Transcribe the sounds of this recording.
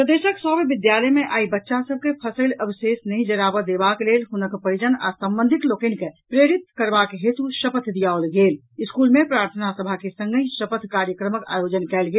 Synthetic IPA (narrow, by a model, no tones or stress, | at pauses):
pɾəd̪esəksəbbɪd̪jaləjmeʔaːibətːʃasəb̚ʱkepʰəsəɪləbsesnəɦĩd͡ʒəɾabəd̪ebaklelɦunəkpəɾid͡ʒəna̰sə̃mbənd̪ʱik̪lokənkepɾeɾit̪̚kəɾbakɦet̪uʃəpət̪ʰd̪ijaolɡel | iskulmepɾaːɾt̪ʰənasəbʱakesə̃ŋɡəĩsəpət̪ʰkaɾjəkɾəməka̰jod͡ʒənkɛːlɡel